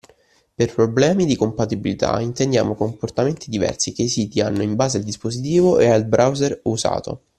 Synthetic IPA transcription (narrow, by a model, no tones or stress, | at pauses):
perpɾoblɛːmid̪ikompat̪ibilit̪ʰa̰int̪end̪ja̰ːmokomport̪ament̪id̪ivɛ̰rsikeisiːt̪ianːoimbaːzeald̪ispozit̪̬iːvoealbɾʔawzeruza̰ːt̪o̰